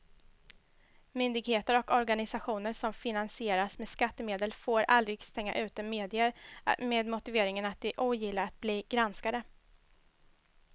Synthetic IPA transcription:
mʏnd̪ɪɡheːt̪əɾɔkɔɾɡanɪsaɧuːnəɾʂɔmfɪnansɪeːɾasmeːd̪skat̪ːəmeːd̪əlfoːɾa̰ld̪ɾɪɡst̪ɛŋːa̰ʔʉ̟ːt̪əmeːd̪ɪəɾ̰meːd̪mʊt̪ɪveːɾɪŋənat̪̚d̪ɪʔuːjɪlːaɾat̪̚bliːɡ̥ɾanskad̪ə

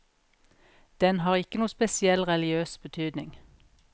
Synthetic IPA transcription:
d̪̥ɛnhɑːʁɪkənuːspɛsɪɛlʁɛlɪøːsbət̪ʰyːd̪nɪŋ

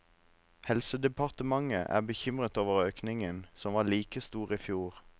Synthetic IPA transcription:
hɛlsəd̪ɛpʰɑʁt̪əmɑŋəʔæ̰ːbəçʏmʁət̪oːʋəʁøːknɪŋənsɔmʋɑːliːkəst̪uːʁiːfjuːʁ

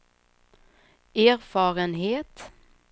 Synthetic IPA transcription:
æːɾfɑːɾənɦeːt̪

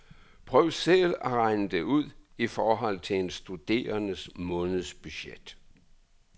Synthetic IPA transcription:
pʰʁœːʊsellæʁɑ̈ɪnəd̥euð̰ˠifɒːɦɒ̽l̰t͡sʰe̝ensd̥ud̥e̝̰ːɐnəsmɔ̽ːnð̩ˠsb̥yɕed̥

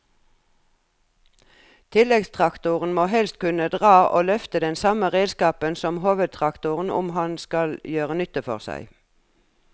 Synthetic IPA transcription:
t̪ʰɪlɛɡst̪ʰʁɑkt̪ʊʁn̩moːɦɛlst̪̚kʉnəd̪ʁɑːʔo̰ːlœft̪əd̪ɛnsɑməʁeːd̪skɑːpənsɔmhoːʋəd̪̚t̪ʰʁɑkt̪ʊʁn̩ʊ̰mhɑnskɑljøːʁənʏt̪əfɔʁsæ̰ɪ

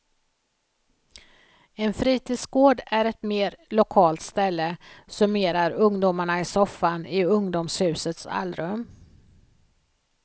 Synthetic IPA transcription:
ɛnfɾiːt̪ʰiːd̪sɡoːɖæɾɛt̪meːɾlʊkʰɑːlt̪st̪ɛlːəsɵmeːɾaɾɵŋd̪ʊːmaɳaɪsɔfːanɪɵŋd̪ʊmshʉ̟ːsət̪sa̰lɾɵm

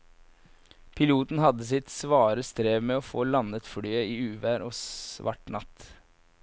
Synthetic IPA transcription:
pʰɪluːt̪n̩hɑd̪əsɪt̪sʋɑːɾəst̪ɾeːʋmɛɔfoːlɑnət̪fɽyːəiːʉːʋæːɾɔsʋɑ̰ʈɳɑt̪

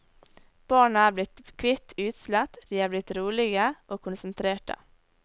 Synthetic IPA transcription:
b̥ɑːɳəæːblɪt̪kʰʋɪt̪ʰʉːt̪slɛt̪d̪iːɑːblɪt̪ɾuːɭɪɡəʔoːkʰʊnsənt̪ʰɾeːʈə̰

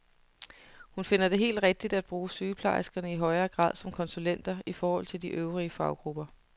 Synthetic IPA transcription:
hunfe̝n̰ɐd̥e̝ɦe̝̰ːld̥ʁɛɡ̥̚d̥id̥æd̥̚b̥ʁuːsyːpʰlɑ̈ɪsɡ̥ɐnəiɦɒ̽ɪɐːɡ̥ʁɑ̰̈ð̰ˠsɒ̽mkʰɒ̽nsulen̰d̥ɐifɒːhɒ̽l̰t͡sʰe̝ldiʔøʊʁiəfɑ̈ʊɡ̥ʁub̥ɐ

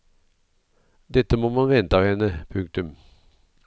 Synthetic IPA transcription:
d̪ɛt̪əmoːmɑnʋɛnt̪ɑhɛnəpʰʉŋk̚t̪ʉm

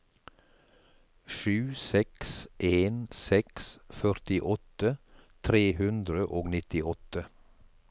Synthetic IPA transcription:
ʃʉːsɛksʔeːnsɛksfœɾt̪ɪʔɔt̪ət̪ʰɾeːhʉnd̪ɾəʔoːɡnɪt̪ɪɔt̪ə

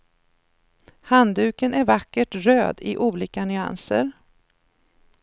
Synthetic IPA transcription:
hand̪ʉːkənæɾvakːəʈɾøːd̪ɪʔuːliːkanʏa̰nsə̰ɾ

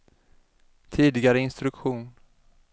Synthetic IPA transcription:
t̪ʰiːd̪ɪɡaɾəɪnst̪ɾɵkɧuːn

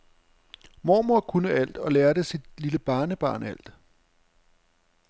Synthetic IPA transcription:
mɒ̰ːmoɐkʰunəæl̰d̥ɒ̽leːɐd̥əsid̥liləb̥ɑ̈ːnəb̥ɑ̰̈ːnæl̰d̥

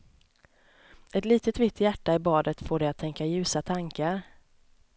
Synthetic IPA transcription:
ɛt̪liːt̪ət̪vɪt̪ːjæʈːaɪbɑːd̪ət̪foːɖɛjat̪ʰːɛŋkajʉ̟ːsat̪ʰaŋkaɾ

